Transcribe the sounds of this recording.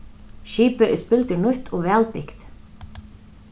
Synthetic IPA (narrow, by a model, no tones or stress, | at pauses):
ʃiːpʏʔɪspɪlt̪ʏɹnʊht̪ʰɔvɛːlpɪkt̪